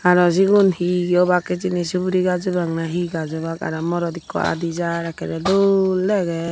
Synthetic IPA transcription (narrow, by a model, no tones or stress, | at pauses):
aɾɔziɡunhiɡɔbakɛd͡ʒinisubuɾiɡad͡ʒɔbaŋnaɦiɡazɔbaka̰ɾɔmɔɾɔd̪ikʰːɔ̰a̰d̪izaɾakʰɛɾɛduolːɛɡɛ